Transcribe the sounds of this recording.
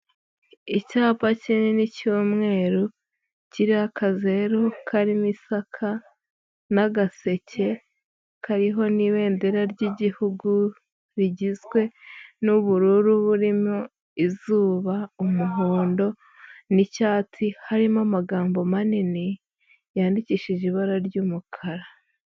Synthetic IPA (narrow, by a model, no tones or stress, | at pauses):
icaːpacininicuːmŋe̞ːɾo | ciɾiakaze̞ɾokʰaɾimisakʰa | naɡase̞cʰe̞ | kʰaɾiɦo̞niwe̞ːndeɾaɾɟiɟihuɡu | ɾiɟizɡwe̞nuβuɾuːɾuβuɾimo | izuːβaumuɦoːndo̞ | nicaːtʰihaɾimamaɡaːmbo̞manini | jaːndiciːʃiʒiβaɾaɾɟuːmukʰaɾa